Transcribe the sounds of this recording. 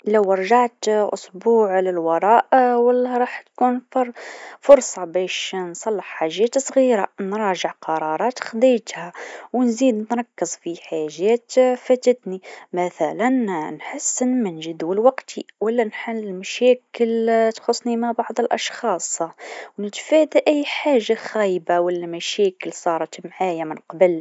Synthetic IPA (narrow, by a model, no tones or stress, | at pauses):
læwəɾˤʒaʕt̪ʔʊ̰sˤbuːʕlɪlwɑɾˤɑːʔwalːæɾˤɑːħt̪kunfɾˤfʊɾˤsˤɑbæʃnsˤɑlːəħħaʒːæːt̪sˤɣiɾanɾˤɑːʒəʕqɑɾˤɑɾˤɑːt̪xd̪ˤijt̪hæwnziːd̪nɾˤɑkːəzˤfiħaʒːæːt̪fæt̪ət̪nimæθælænnħəsːnmænʒəd̪wəlwɑqt̪ʰiwælːænħalːɪlmæʃæːkəlt̪xʊsˤːnimabɑʕd̪ˤəlʔɑʃxɑːsˤwnɪt̪fæːd̪aʔæjːħaːʒːaxæjbawælːæmæʃæːkəlsˤɑːɾˤɑt̪mʕaːjamɪnqɑbəl